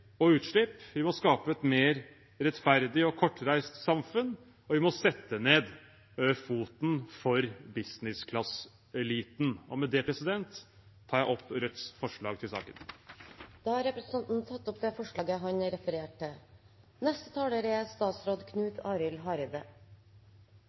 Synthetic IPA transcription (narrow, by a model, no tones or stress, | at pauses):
ɔʉːt̪ʂɭɪpʋɪmɔskɑːpəɛt̪meːɾ | ɾɛt̪fæɾd̪ɪɔkʰɔʈːɾæɪst̪sɑmfʉn | ɔʋɪmɔsɛt̪ːəneːd̪ | fuːt̪n̩fɔɾbɪsnɪskʰlɑs | ɛliːt̪nɔmɛd̪ɛpʰɾɛsɪd̪ɛnt̪ʰː | ɑːjæɪʔɔpːɾɛt̪sfɔʂɭɑːɡ̚t̪ʰɪlsɑ̰ːkən | d̪̥ɑːhɑɾɛpɾəsnɑnt̪n̩t̪ʰɑt̪ːʊpd̪ɛːfɔʂɭɑːɡəɦɑɲɾɛfəɾeːʈə | nɛst̪ə̥t̪ʰɑːləɾɛst̪ɑːt̪sɾoːd̪kʰnʉːt̪ʰɑːɾʏlɦɑːɾɪd̪ə